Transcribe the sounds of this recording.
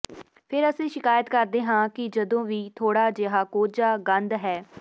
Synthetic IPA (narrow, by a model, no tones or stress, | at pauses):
pʰɪɾəsẽːʃɪkaːjət̪kəɾd̪eːɦãːkɪd͡ʒəd̪õːʋiːt̪ʰoːɽaːd͡ʒeɦaːkoːd͡ʒaːɡə̃nd̪ɦɛː